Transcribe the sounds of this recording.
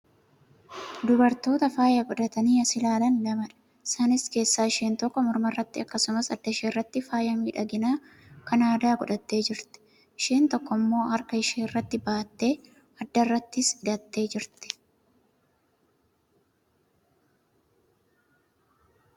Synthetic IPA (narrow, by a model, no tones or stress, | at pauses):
d̪ʊbɐɾt̪o̞ːt̪ɐfaːjɐɡɔᶑɐt̪ɐniːɐsɪlaːlɐnɡɐmɐᶑɐ̥ | ɪsaːnɪske̞ːsːaːɪʃeːnt̪ɔkːɔmɔɾmɐrːɐt̪ːɪɐkːɐsʊmɐsɐd̪ːɐɪʃeːrːɐt̪ːɪfaːjɐmiːᶑɐɡɪnaː | kɐnaːd̪aːɡʊᶑɐt̪ːe̞ːd͡ʒɪɾt̪ɪ̥ | ʔɪʃeːnt̪ɔkːɔmːo̞ːhɐɾkɐɪʃeːɪrːɐt̪ːɪbaːt̪ːe̞ː | ɐd̪ːɐrːɐt̪ːɪsɪd̪ɐt̪ːe̞ːd͡ʒɪɾt̪ɛ̥